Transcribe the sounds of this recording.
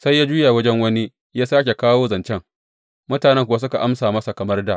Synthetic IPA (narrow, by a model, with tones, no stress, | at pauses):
sa˦jːaː˦d͡ʒuː˦ja˨wɐ˦d͡ʒɛ˦ŋwɐ˦ni˦ | jaː˦saː˦kʲe˨kaː˦woː˦zɐ˨nt͡ʃɛ˦ŋ | mʊ˦taː˨nɛ˦ŋkʷʊ˨wa˦s̬ʊ˦ka˨ʔa˦msaː˨mɐ˦sa˨kɐ˨mɐ˦rda˨ʔ